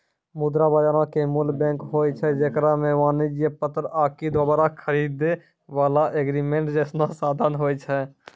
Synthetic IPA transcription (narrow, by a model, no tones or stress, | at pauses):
mud̪ɾabəd͡ʒaːɾãkemulbɛ̃ŋkɦoːjt͡ʃʰɛd͡ʒeːkɾameʋaːnid͡ʒjepət̪ːɾaːkid̪aːbəɾakʰəɾid̪e | ʋaːlaʔeɡɾimẽɳʈd͡ʒɛːsnasaːd̪ʱənɦojt͡ʃʰɛ